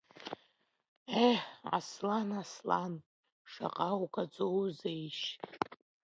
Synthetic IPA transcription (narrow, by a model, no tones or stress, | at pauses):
ea̰slanaslan | ʂa̰qʼawkʰʼad͡zowzejʃ